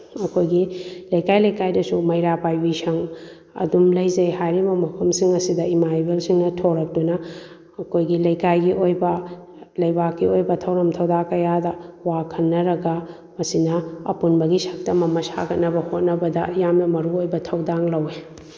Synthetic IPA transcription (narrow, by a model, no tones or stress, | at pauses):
ɐkʰojɡilɐjkajlɐjkajdɐsumɐjɾapajbisɐŋ | ɐ̰dumlɐjzɐjhajɾimɐmɐpʰɐmsiŋɐsidɐimajbelsiŋnɐtʰoɾɐk̚dunɐ | ɐkojɡilɐjkajɡiʔojbɐ | lɐjbakːiojbɐtʰɐwɾɐmtʰɐwdakɐjadɐwakʰɐnːɐɾɐɡɐ | mɐsinɐɐ̰punbɐɡisak̚tɐmɐmɐsa̰ɡɐt̚nɐbɐhot̚nɐbɐdɐ̰jamnɐmɐɾuojbɐtʰɐwdaŋlɐwe